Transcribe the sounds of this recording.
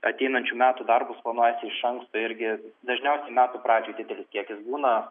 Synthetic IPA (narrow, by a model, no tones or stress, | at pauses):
ɐt̪ʲɛɪnɐnʲt͡ʃʲuːmʲæːt̪uːd̪ɐrbʊsplˠɐnuɔjɛsʲɪɪʃɐŋkst̪oɪɾʲɡʲɪd̪ɐʒʲnʲɛʊsʲɛɪmʲæːt̪uːpɾɑːd͡ʒʲuːjd̪ʲɪd̪ʲɛlʲɪskʲiɛkʲɪsbuːnɐ